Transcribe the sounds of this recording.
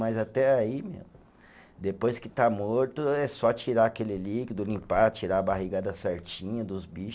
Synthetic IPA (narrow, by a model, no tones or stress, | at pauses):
mɐjzat̪ɛaimḛmʊ | d̪epojskɪt̪amoɾt̪ʊɛsɔt͡ʃiɾaːkelɪlikɪd̪ʊlĩpat͡ʃiɾaːbaɦiɡad̪ɐsɛɾt͡ʃĩɲɐd̪ʊzbiʃ